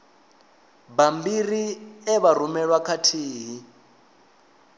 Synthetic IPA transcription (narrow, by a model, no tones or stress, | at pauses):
bambiriɛβaɾ̤umɛɺwakʰatʰiːɦi